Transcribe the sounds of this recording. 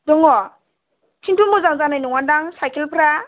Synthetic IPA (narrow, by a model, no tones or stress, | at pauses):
dɔŋɔ | tʰintumɔzaŋzanajnɔŋandaŋsajkʰelpʰɾa